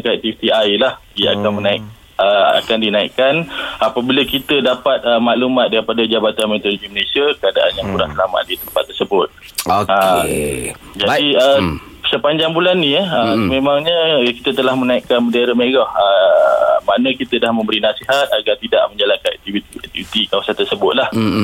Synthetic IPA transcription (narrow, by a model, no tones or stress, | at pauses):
nkɛk̚t̪ifit̪iajlaha̰kanmənaik̚ | əa̰kandinaḭʔkanapabiləkit̪ədapat̪̚əmaʔlumat̪̚daɾipadad͡ʒabat̪anmet̪oloɡiməlesiəkəada̰ʔanjaŋkuɾahsəlama̰ʔ̪̚dit̪əmpat̪ːərsəbʊt̪̚ | oə | d͡ʒadiə | səpaɲd͡ʒaŋbulanːĩəəmemaŋɲəki̥t̪ət̪əlahmənaiʔkanmədaiɾəmeɡɔhə | maʔnəkit̪ədahmə̃mbəɾinasiɦat̪̚aɡart̪ida̰ʔmə̃ɲd͡ʒalankanɛ̰k̚t̪ivit̪iɛ̰k̚t̪ifit̪ikawasant̪ərsəbʊt̪̚lah